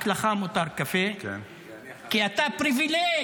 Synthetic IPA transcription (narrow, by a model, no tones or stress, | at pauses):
klaχamut̪aɾkafek | kiat̪apɾivile